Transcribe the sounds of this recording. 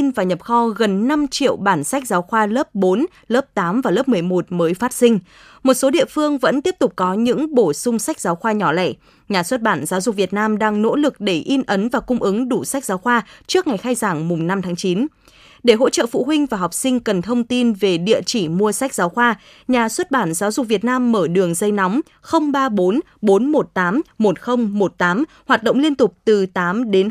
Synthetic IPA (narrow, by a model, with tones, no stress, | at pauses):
nvaː˨˩ɲə˨˩p̚xɔ˧ɣə˨˩nːa˧mt͡ɕḭ˧˨əwɓaː˧˩nsa˦˥k̟̚zaː˨˦wxwaː˧lə˦˥p̚ɓo˨˦n | ləː˦˥p̚t̪aː˨˦mvaː˨˩ləː˦˥p̚mɨ˨˩əjmo˨˩t̚məː˨˦jfaː˦˥t̚sï˧ŋ̟ | mo˨˩t̚so˨˦ɗḭ˧˨əfɨ˧əŋvə̰˧˥nt̪i˦˥əp̚t̪ʊ˨˩k͡p̚kɔ˨˦ɲɨ̰˧˥ŋɓo˧˩sʊ˧ŋ͡msa˦˥k̟̚zaː˨˦wxwaː˧ɲɔ˧˩la̰˧˩j | ɲaː˨˩swə˦˥t̚ɓaː˧˩nzaː˨˦wzʊ˨˩k͡p̚vi˨˩ət̚naː˧mɗaː˧ŋno̰˧˥lɨ˨˩k̚ɗe˧˩ʔi˧nʔə˨˦nvaː˨˩kʊ˧ŋ͡mʔɨ˨˦ŋɗu˧˩sa˦˥jk̚zaː˨˦wxwaː˧t͡ɕɨ˦˥k̚ŋa˨˩jxaː˧jzaː˧˩ŋmʊ˨˩ŋ͡mna˧mt̪ʰaː˨˦ŋt͡ɕi˨˦n | ɗe˧˩ɦo̰˧˥t͡ɕə̰ː˧˨fṵ˧˨ɦwï˧ŋ̟vaː˨˩ɦɔ˨˩wk͡p̚sï˧ŋ̟kə˨˩nt̪ʰə˧wŋ͡mt̪i˧nve˨˩ɗḭ˧˨ət͡ɕi˧˩mu˧əsa˦˥k̟̚z̥aː˨˦wxwaː˧ | ɲaː˨˩swə˦˥t̚ɓaː˧˩nzaː˨˦wzʊ˨˩k̚vi˨˩ət̚naː˧mːəː˧˩ɗɨ˨˩əŋzə˧jnɔ˨˦wŋ͡m | xə˧wŋ͡mɓaː˧ɓo˨˦n | ɓo˨˦nmo˨˩t̚t̪aː˨˦mmo˨˩t̚xə˧wŋ͡mmo˨˩t̚t̪aː˨˦m | hwaː˨˩t̚ɗə̰˧˨wŋ͡mli˧ənt̪ʊ˨˩k͡p̚t̪ɨ˨˩t̪aː˨˦mɗe˨˦n